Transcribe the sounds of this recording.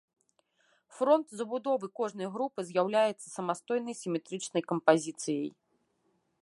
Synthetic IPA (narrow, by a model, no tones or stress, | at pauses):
fɾɔnt̪zɐbud̪ɔvɨkɔʐn̪ɐjɐɣɾupɨzʲjawlʲajɛt̪sːɐ̥sɐmast̪ɔjnɐjsʲimʲɛt̪ɾɨt͡ʂnɐjkɐmpazʲit̪sɨjɐ̰j